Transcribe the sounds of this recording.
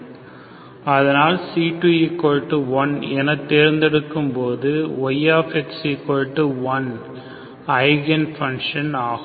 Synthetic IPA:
ɐðɐnaːlsiːʈujɪkːɔɻʈːɯʋɐnɛnɐt̪ːeːɾnd̪ɛɽɯkːɯmpoːðɯʋɐɪjaːfɛksekːɔɻʈːɯʋɐn | ɐɪɣɛnfɐŋʂɐnaːɣɯ

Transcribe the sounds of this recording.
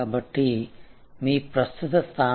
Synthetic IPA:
aːbɐʈːi | miːpɾɐst̪ut̪ɐst̪ʰaː

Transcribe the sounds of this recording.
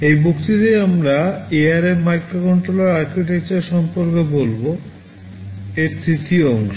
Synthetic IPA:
ejbokt̪it̪ejamɾaeaɾeɾmajkɾokɔɳʈɾolaɾaɾkɾiʈek̚t͡ɕaɾʃɔmpoɾkebolbo | eɾst̪ʰɾit̪ʰiɔŋʃo

